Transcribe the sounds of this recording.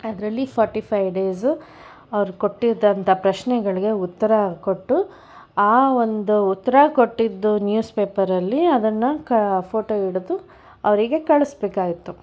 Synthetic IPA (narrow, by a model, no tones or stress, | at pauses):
ɐd̪ɐɾɐlːipʰɔːɾʈipʰɐjʋɖeːs | ɐʋɐɾuko̞ʈːiɾd̪ɐnt̪ʰɐpɾɐʃnɛɡɐɭiɡe̞ut̪ːɐɾɐko̞ʈːu | aːo̞nd̪uːt̪ːɐɾɐko̞ʈːid̪ːunjuːspe̞ːpɐɾɐlːiɐd̪ɐnːɐkɐpʰo̞ːʈoːiɽud̪u | ɐʋɐɾiɡe̞kɐɭusbeːkaːɡit̪ːu